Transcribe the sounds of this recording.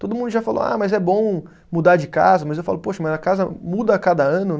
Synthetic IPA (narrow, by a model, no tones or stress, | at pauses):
t̪od̪ʊmũd̪ʊʒafalo̰a̰mɐzɛbõ | mud̪aɾd͡ʒɪka̰zɐmɐzewfa̰lʊpoʃɐmɐzɐkazɐmud̪ɐkad̪ɐɐ̃nʊ